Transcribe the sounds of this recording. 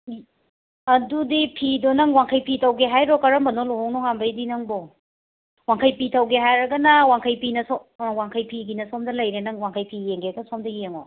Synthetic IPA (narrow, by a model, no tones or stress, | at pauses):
ɐdudipʰidonɐŋwaŋkʰɐjpʰitʰɐwɡeɦajɾɔkɐɾɐmɐnolohoŋnɔŋambɐjdinɐŋbo | waŋkʰɐjpitʰɐwɡeɦajɾɐɡɐnɐwaŋkʰɐjpinɐsowaŋkʰɐjpʰiɡinɐsomdɐlɐjɾenɐŋwaŋkʰɐjpʰijeŋɡeɾɐɡɐnsomdɐjeŋo̰